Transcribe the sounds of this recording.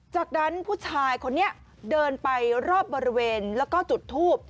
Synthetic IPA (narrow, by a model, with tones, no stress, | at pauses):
t͡ɕaː˨˩k̚na˦˥npʰuː˥˩t͡ɕʰaː˧jkʰo˧nːi˦˥ɐ | dɤː˧npa˧jɾɔː˥˩p̚bɔː˧ɾi˦weː˧nlɛː˦˥wkɔː˥˩t͡ɕu˨˩t̪ʰːuː˥˩p̚